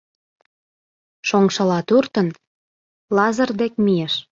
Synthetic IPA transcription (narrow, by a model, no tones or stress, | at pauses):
ʃoŋʃɤ̆lɑt̪urt̪ə̆n | lɑzə̆rd̪ekmijeʃ